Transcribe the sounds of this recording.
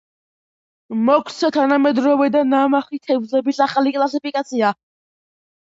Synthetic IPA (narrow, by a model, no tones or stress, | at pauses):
mɔkʼʰt̪sʰat̪ʰanamɛd̪ɾɔvɛd̪anamaχit̪ʰɛvzɛbisaχalikʼlˠasipʰikʼat̪sʰia